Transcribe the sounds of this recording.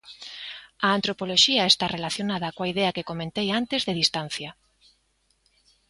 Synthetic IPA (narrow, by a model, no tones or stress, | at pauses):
aːnt̪ɾopoloʃiaest̪arelaθjonaðakõaiðeakekomẽnt̪ejant̪ezðeðist̪anθja